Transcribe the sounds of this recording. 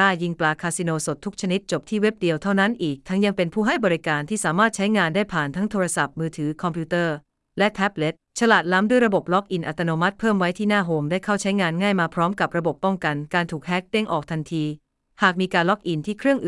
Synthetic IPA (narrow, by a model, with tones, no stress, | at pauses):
aː˥˩ji˧ŋplaː˧kʰaː˧si˧noː˧so˨˩t̪ʰːu˦˥k̚t͡ɕʰa˧ni˦˥t̪̚t͡ɕo˨˩p̚t̪ʰiː˥˩we˦˥p̚di˧əwt̪ʰa˥˩wna˦˥nʔiː˨˩k̚t̪ʰa˦˥ŋja˧ŋpe˧npʰuː˥˩ɦa˥˩jbɔː˧ɾi˦˥kaː˧nt̪ʰiː˥˩saː˩˦maː˥˩t̪̚t͡ɕʰa˦˥jŋaː˧ndaː˥˩jpʰaː˨˩nt̪ʰa˦˥ŋt̪ʰoː˧ɾa˧sa˨˩p̚mɯː˧t̪ʰɯː˩˦kʰɔ˧mpʰuː˦˥t̪ɤː˥˩ | lɛ˦˥t̪ʰɛ˦˥p̚le˦˥t̪̚t͡ɕʰa˧laː˨˩t̪̚la˦˥mdu˥˩jɾa˧bo˨˩p̚lɔ˦˥k̚ʔi˧nʔa˨˩t̪ːa˧noː˧ma˦˥t̪̚pʰɤː˥˩mwa˦˥jt̪ʰiː˥˩naː˥˩ɦoː˧mdaː˥˩jkʰa˥˩wt͡ɕʰa˦˥jŋaː˧nŋaː˥˩jmaː˧pʰɾɔː˦˥mka˨˩p̚ɾa˧bo˨˩pːɔ˥˩ŋka˧nkaː˧nt̪ʰuː˨˩k̚hɛ˦˥k̚te˥˩ŋʔɔː˨˩k̚t̪ʰa˧nt̪ʰiː˧ | haː˨˩k̚miː˧kaː˧nlɔ˦˥k̚ʔi˧nt̪ʰiː˥˩kʰɾɯ˥˩əŋʔ